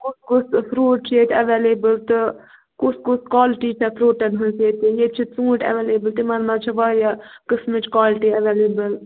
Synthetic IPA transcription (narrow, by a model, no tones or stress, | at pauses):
kuskusfɾuːʈ̚t͡ʃʰeːt̪ʰɐʋeːleːbəlt̪ɨ | kuskuskaːlʈiːt͡ʃʰɐpʰɾoːʈɐnɦɐnseːt̪ijet͡ʃʰit͡sũːʈɐ̰ʋeːleːbəlt̪imɐnmat͡ʃʰɐʋajakɨsmɪt͡ʃkaːlʈiːɐʋeːleːbəl